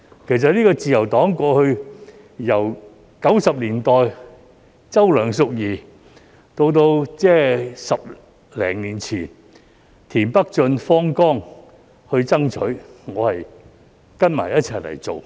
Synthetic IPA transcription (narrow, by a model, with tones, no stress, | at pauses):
kʰe˨˩js̬ɐ˨t̚niː˥kɔː˧t͡siː˨jɐ˨˩wt̪ɔː˨˥ŋkʷɔː˧hɵ˧ɥ | jɐ˨˩w | kɐ˨˥wsɐ˨p̚liː˨˩nt̪ɔː˨˩j | t͡sɐ˥wlœː˨˩ŋs̬ʊ˨k̚jiː˨ | t̪o˧wt̪̬o˧wt͡sɛː˥˩sɐ˨p̚ | lɛ̰ː˨˩ŋliː˨˩nt͡sʰiː˨˩n | t̪ʰiː˨˩npɐ˥k̚t͡ʃɵ˧nfɔː˥ŋkɔː˥ŋ | hɵ˧ɥt͡sɐ˥ŋt͡ʃʰɵ˨˥ɥŋɔː˨˧hɐ˨j | kɐ˥nma̰ː˨˩jɐ˥t̚t͡sʰɐ˨jlɐ̰˨˩jt͡so˨w